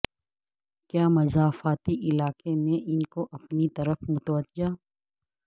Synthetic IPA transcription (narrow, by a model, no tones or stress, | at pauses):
kjaːmɐzaːfaːt̪iʔɪlaːkemẽʔɪnkoʔɐpnit̪ɐɾəfmʊt̪wəʒaː